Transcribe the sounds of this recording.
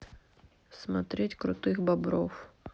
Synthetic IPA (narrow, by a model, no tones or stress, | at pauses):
smɐt̪ɾɛtʲkɾʊ̰t̪ɪxbɐbɾɔw